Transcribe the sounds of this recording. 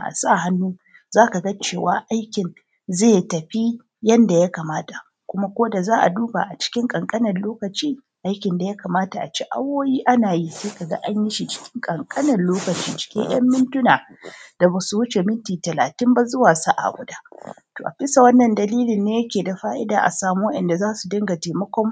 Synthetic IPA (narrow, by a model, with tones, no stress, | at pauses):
ʔa̰˨sa˦˨ɦa˦nːuː˦ | zaː˦ka˨ɡɐ˦t͡ʃeː˦˨waː˨ʔa˦jkʲɪ˨n | zeː˦˨tɐ˨ɸi˦ | jɐ˦nda˨ja˦kaː˨maː˦ta˨ | kʷʊ˦ma˦kʷoː˦da˨zaː˦ʔa̰˨duː˦ba̰˨ʔa˨t͡ʃɪ̥˦kʲɪ˦ŋkʼɐ˨ŋkʼɐ˦nɐ˨nloː˦kɐ˨t͡ʃiː˦ | ʔa˦jkʲɪ˨nda˨ja˦kaː˨maː˦ta˨ʔa˨t͡ʃe˦ʔa̰˦woː˦jiː˦ʔa˦naː˨ji˦zeː˦ka˨ɡa̰˦ʔa˦ɲji˦ʃi˨t͡ʃɪ̥˨˦kʲɪ˦ŋkʼɐ˨ŋkʼɐ˦nɐ˨nloː˦kɐ˨t͡ʃiː˦t͡ʃɪ̥˦kʲɪ̰˦ɲj̰ɐ̰˦mːɪ˦ntʊ˦naː˨d̥a˨ba˨su˨hʊ˦t͡ʃe˨mɪ˦ntiː˨tɐ˨la̰ː˨tɪ˦mba˦zʊ˦waː˨sa˦ʔa̰˨ɡʷʊ˦daː˦ | toː˨ʔa˨ɸɪ˦sa˨wɐ˦nːɐ˨ndɐ˨liː˦lɪ˨nːeː˦jɐ˦kʲeː˨da˨ɸaː˦ʔɪ̰˦daː˨ʔa̰˨saː˨muː˦wɐ˦ʔɛ˨nda˨zaː˦su˨dɐ˦ŋɡa˨teː˨mɐ˦kʷɔ˦m